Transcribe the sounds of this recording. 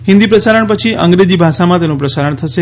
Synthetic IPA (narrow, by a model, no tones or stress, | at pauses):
ɦɪnd̪ipɾəsaɾəɳpət͡ʃʰiə̰ŋɡɾed͡ʒibʱaʃamãt̪enũpɾəsaɾəɳt̪ʰəʃe